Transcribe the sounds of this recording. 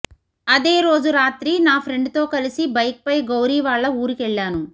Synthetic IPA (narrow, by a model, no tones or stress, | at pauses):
ɐd̪e̞ːɾo̞ːd͡ʒuɾaːt̪ɾinaːpʰɾe̞ɳɖt̪o̞ːkɐlisibɐjk̚pɐjɡɐwɾiːʋaːɭːɐuːɾikɛɭːaːnu